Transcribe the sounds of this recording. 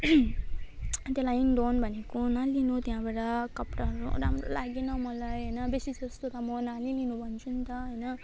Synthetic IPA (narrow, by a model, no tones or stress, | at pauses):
t̪jlajiŋɖonbʱʌnekonalinut̪jɦãbaɽʌkʌpʈaɦʌɾṵɾa̰mɾo̰laɡenʌmʌlajɦʌjnʌbesid͡zʌst̪ot̪ʌmʌnalilinubʱʌnt͡sʰunt̪ʌɦʌjnʌ